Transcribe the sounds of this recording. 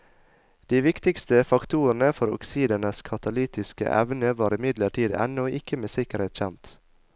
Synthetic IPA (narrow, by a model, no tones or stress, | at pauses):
d̪̥iːʋɪkt̪ɪkst̪əfɑkt̪ʰuːn̩əfɔɾɔ̰ksiːd̪ənəskʰɑt̪ɑliːt̪ɪskə̰ʔɛ̰ʋnəʋɑːɾɪmɪd̪ləʈʰiːd̪ɛ̰noːɪkəmeːsɪkəɾhet̪çɛmt̪